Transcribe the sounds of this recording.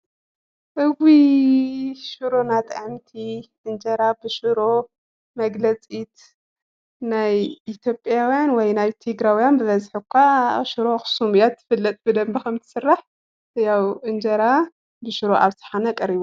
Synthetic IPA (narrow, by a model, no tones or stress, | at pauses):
ʔɨwi | ʃɨɾo̞nat̪ʼʕɨmt̪ʰiʔɨnd͡ʒɐɾabɨʃɨɾo̞ | mɐɡlɐt͡sʼit̪ | najʔit̪ʰjo̞pʼjawjanwɔjnajt̪ʰeɡɾawjanbɨβɐzħɨkʷʰːaʃɨɾo̞xsumjat̪ːɨ̥fɨlːɐt̪ʼbɨd̪ɐmbikɐmt̪ʰɨ̥sɨrːaħ | jawʔɨnd͡ʒɐɾa | bɨʃɨɾo̞ʔaβsɨ̥ħanɐkʼɐɾiβu